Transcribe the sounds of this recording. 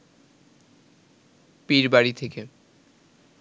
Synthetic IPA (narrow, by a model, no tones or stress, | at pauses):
piɾbaɽit̪ʰeke